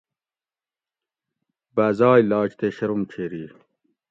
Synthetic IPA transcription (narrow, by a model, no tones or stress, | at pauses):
baːzɑːjlɑːt͡ɕt̪eɕɐɾumt͡ɕʰeːɾiː